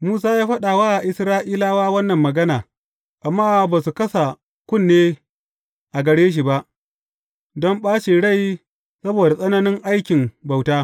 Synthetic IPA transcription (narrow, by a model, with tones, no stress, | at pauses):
muː˦s̬aː˦jaː˦ɸɐ˦ɗa˨waː˦ʔa˨ʔɪ˦sɾaː˦ʔiː˦laː˦waː˦wɐ˦nːɐ˨mːɐ˨ɡɐ˦naː˨ | ʔa˨mːaː˦˨baː˨su˨kɐ˦sa˨ | kʷʊ˦˨nːeː˦ | ʔa˨ɡɐ˨ɽeː˦ʃ̬i˨ba˦ʔ | dɔ˦mɓaː˦ʃi˨ɽa˦˨j | sɐ˦boː˨da˨sʼɐ˦na˦nɪ˦ŋʔa˦jkʲɪ˨mba˨wtaː˦